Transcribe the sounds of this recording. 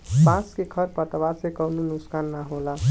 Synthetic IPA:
bãskekʰəɾpət̪əbasekənunʊskanːaɦola

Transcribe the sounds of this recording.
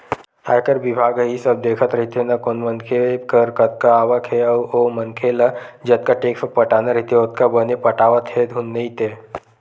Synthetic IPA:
a̰jkəɾbɪbʱaːɡəɦisɐb̚d̪eːkʰət̪ɾɐɦit̪enɐkoːnmənkʰeekəɾkɐt̪̚kaaːʋəkɦɛəomənkʰelad͡ʒɐt̪̚kaʈeːksəpɐʈaːnaɾəɦit̪eeʊt̪̚kabənepɐʈaːʋət̪ɦed̪ʱunːeit̪eː

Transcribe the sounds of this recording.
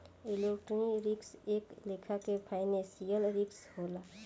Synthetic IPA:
ilekʈɾəniɾɪkseːklekʰakepʰaɪnẽsijəlɾɪkshola

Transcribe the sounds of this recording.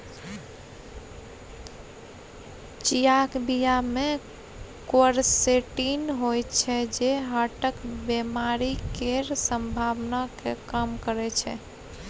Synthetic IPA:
t͡ʃijakbijame | koəɾseʈinɦojt͡ʃʰɛd͡ʒeɦaʈəkbemaɾikeɾsəmbʱaʋnakekəmkəɾɛt͡ʃʰɛ̰

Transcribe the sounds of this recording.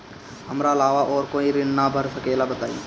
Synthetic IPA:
hɐmɾaɐlaːʋaʔɔːɾkoːiɾɪnnabʱəɾsɐkɛːlabɐt̪aːḭ

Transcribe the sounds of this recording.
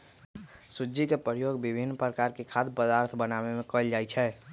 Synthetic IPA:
sʊd͡ʒikepəɾjoːɡbɪbʱinːpɾəkaːɾkekʰaːd̪pəd̪aːɾt̪ʰbənaːʋemẽkəld͡ʒaːit͡ʃʰɛː

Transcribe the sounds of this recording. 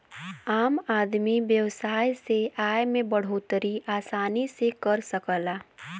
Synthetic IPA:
aːmaːd̪miʋjəwsaːjseaːjmẽbəɽ̤oːt̪ɾiaːsaːnisekəɾsəkəlaː

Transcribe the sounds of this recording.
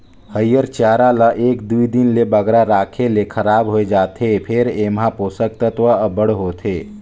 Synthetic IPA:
həjəɾt͡ʃaːɾaləʔeːkd̪uid̪ɪnlebəɡɾaɾaːkʰelekʰəɾaːbɦoed͡ʒaːt̪epʰɪɾeːmɦãpoːsək̚t̪ət̪ʋəəbəɽɦoːt̪ʰeː

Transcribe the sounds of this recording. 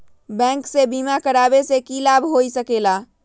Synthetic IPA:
bɛ̃ŋksebimakəɾabesekilabʱɦoisəkela

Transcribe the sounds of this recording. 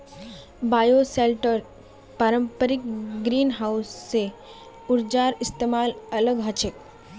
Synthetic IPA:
bajoselʈəɾ | paɾəmpəɾikɡɾiːnɦawsːe | uɾd͡ʑaɾist̪emalələɡɦat͡ʃʰek̚

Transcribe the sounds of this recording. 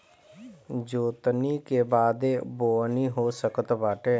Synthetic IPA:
d͡ʒoːt̪niːkeːbaːd̪eːboːniːɦoːsəkət̪baːʈeː

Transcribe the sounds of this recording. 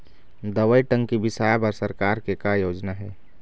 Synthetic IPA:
d̪ɐʋəiʈə̃ŋɡkibɪsaːjpɐɾsɐɾkaːɾkekajoːd͡ʒnaɦɛː

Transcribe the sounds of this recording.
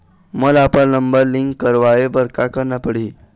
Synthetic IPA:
məlapəlnəmbəɾliŋkːəɾʋajebəɾkakəɾnapəɽ̤i

